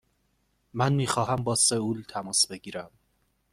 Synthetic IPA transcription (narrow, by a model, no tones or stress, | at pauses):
mænmiːxɒːɦæmbɒːseuːlt̪ʰæmɒːsbe̞ɟiːɾæm